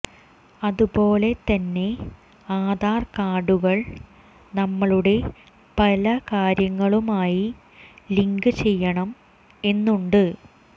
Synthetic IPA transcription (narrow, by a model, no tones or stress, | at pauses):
ɐðupo̞ːle̞t̪ɐnːe̞ | aːd̪aːrkaːɖuɣɐɭ | nɐmːɐɭuɽe̞ | pɐlɐkaːɾjɐŋːɐɭumaːji | liŋɡɨt͡ɕe̞jːɐɳɐm | e̞nːuɳɖɨ